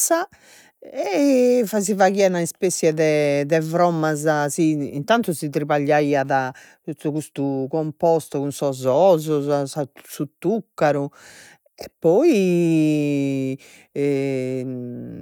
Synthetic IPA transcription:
sa | ɛfazivaɣianaispesjɛðɛðɛvɾɔmːazasiːnt̪ant̪uzit̪ɾiβaʎːaiːaða | t̪uuɣust̪ukɔmpɔst̪ɔkunsɔzɔzɔzasasut̪ːukːaɾu | ɛpːɔi

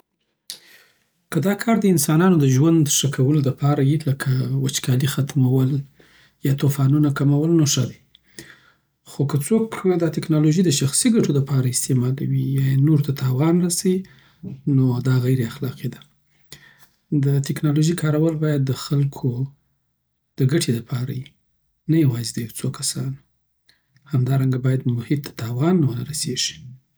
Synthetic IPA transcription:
kəd̪ɑkʰɑɾd̪əɪnsɑnɑnod̪əʒwand̪ʂəkʰawəloləpɑɾajiləkʰawat͡ʃkɑlixat̪mawəl | jɑt̪ofɑnunakamawəlnoʂəd̪e | xokət͡sokd̪ɑt̪ɪknɑloʒid̪əʃaxsiɡaʈoləpɑɾaɪst̪emɑd̪awijɑenoɾt̪at̪ʰɑwɑnɾasawi | nod̪ɑɣajɾeaxlɑqid̪a | d̪ət̪ɪknɑloʒikʰɑɾawəlbɑjad̪ːəxalkʰo | d̪̥əɡaʈʰeləpʰɑɾa̰ji | najawɑzed̪əjawt͡sokasɑn | hamd̪ɑɾaŋɡabɑjad̪mʊhɪt̪ːḁt̪ɑwɑnːawənaɾaseʒ̥i̥

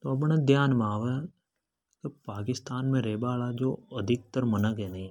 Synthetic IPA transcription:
t̪oɐp̬ɳed̪jaːnmaːʋɛ | kepaːkɪst̪aːnmẽɾeːbaːlad͡ʒoːəd̪ʱɪk̚t̪əɾmənəkẽːni

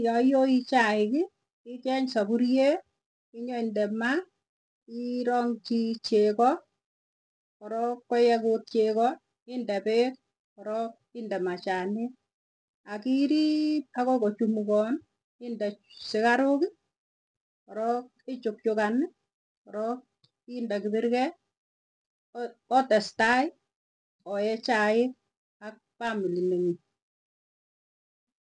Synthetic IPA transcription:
jɔjoit͡ʃaɪkɪ | ɪt͡ʃɛɲsabuɾje | ɪɲɔindɛma | iɾɔŋt͡ʃit͡ʃekɔ | kɔɾɔkːɔjɛkut̚t͡ʃekɔ | ɪndɛpek̚ | kɔɾɔk | ɪndɛmat͡ʃane | akiɾip̚akɔkɔt͡ʃumukɔn | indɛsɪkaɾoki | ɔɾɔk | et͡ʃʊk̚t͡ʃʊkanɪ | ɔɾɔk̚ | indakibiɾkɛ | ɔtɛstaɪ | ɔjɛt͡ʃaɪk̚ | ak̚pamilineŋi

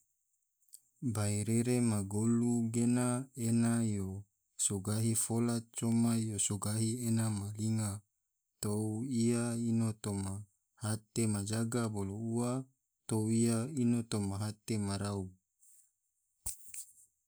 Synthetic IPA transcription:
baiɾeɾemaɡoluɡenaenajo | soɡaɦifolat̚t͡ʃomajosoɡaɦienamaliŋa | t̪ouiainot̪oma | hat̪emad͡ʒaɡabolouwa | t̪owijainot̪omaɦat̪emaɾau

